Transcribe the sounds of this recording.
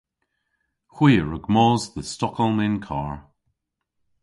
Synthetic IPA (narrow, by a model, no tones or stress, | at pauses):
hw̥iːɹəɡmɔːzðəstɔkʰɔlˠmɪnkʰa̰ːɹ